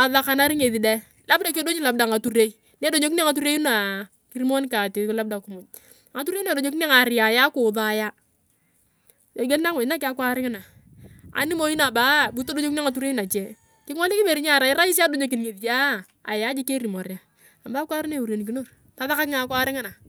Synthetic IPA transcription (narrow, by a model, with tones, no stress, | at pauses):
a˨ða˦ka˨na˦ɾi˦ŋe˨ði˨dɛ˦ | la˦bda˦ke˦do˦ɲi˦la˨b̚da˨a˨tu˦re˦i˦ | ne˦do˨ɲo˦k̬i˦ni˦˨ŋa˨t̬u˦ɾe˦u˦na˨ | ki˦ɾi˦mo˦n˦ka˨ti˨kla˦b̚da˨kʊ˨˦mʊ˨ɲ˨ | ŋa˨˦tu˦ɾe˦ne˦˨o˨ɲo˦ki˦n˦a˦˨ŋa˨ɾɪ˨ja˨ja˦kʊ˨ðaː˦˨˦ja˦ | jo˨ɡe˦a˦ŋʊ˨na˦kɪ˦a˦kwa˦ɾɪ˦ŋɪ˦na˨ | a̰˨ni˦mo˦i˦na˨ba˦bu˦to˦do˦ɲo˦ki˦˨ŋa˨t̬u˦ɾe˦na˨t͡ʃɛ˦ | kɪ˦ŋɔ˦li˦kɪ˦be˨ɾi˦ɲa˦˨ɾa˨ɪ˦ɾa˦ji˦s̬a˦do˨˦ɲo˨˦k̬i˨nŋe˨ði˨ja˦ | a̰˨ja˦d͡ʒi˦ke˦ɾi˨mo˨ɾja˨ | a˨baː˦kwa˦ɾi˦ne˦˨u˨ɾe˨ni˨k̬i˦no˦˨ɾ | ta˦ða˦ka˦kɪ˦ŋa˨˦kwa˦ɾɪ˦ŋɪ˦na˨